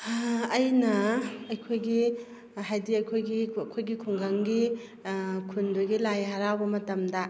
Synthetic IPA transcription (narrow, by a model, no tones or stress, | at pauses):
jnɐɐjkʰojɡi | ɦajdiɐjkʰojɡikʰojɡikʰuŋɡaŋɡi | kʰunduɡilajɦaɾawbɐmɐtɐmdɐ